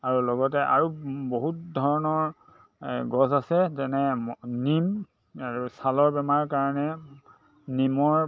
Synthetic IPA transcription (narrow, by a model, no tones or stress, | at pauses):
aɹulɔɡɔtɛʔa̰ɹuboɦut̚dʱɔɹɔnɔɹ | ɡɔzasɛzɛnɛnim | aɹusalɔɹbɛmaɹkaɹɔnɛ | nimɔɹ